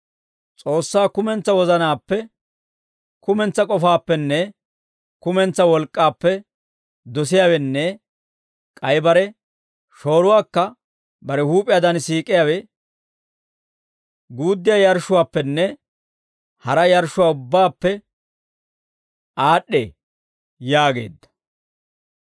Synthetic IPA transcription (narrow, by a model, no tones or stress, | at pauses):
t͡sʼo̞ːsːaːkʊmɛnt͡sːɐwɔzɐnaːpːɛ | kʊmɛnt͡sːɐkʼɔfaːpːɛnːɛ | kʊmɛnt͡sːɐwɔlkʼːaːpːɛ | d̪ɔsɪjaːwɛnːɛ | kʼɐjbɐɾɛ | ʃo̞ːɾʊwaːkːɐ | bɐɾɛhuːpʼɪjaːd̪ɐnsiːkʼɪjaːwɛ | ɡuːd̪ːɪjaːjɐɾʃʊwaːpːɛnːɛ | hɐɾɐjɐɾʃːʊwaːʊbːaːpːɛ | aːɗːḛː | jaːɡḛːd̪ːɐ̥